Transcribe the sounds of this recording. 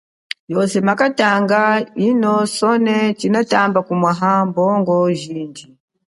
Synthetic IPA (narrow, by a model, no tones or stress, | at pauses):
jɔsɛmakataŋɡainɔsɔnɛt͡ʃinatambakumwaɦambɔŋɡɔʒiːnd͡ʒi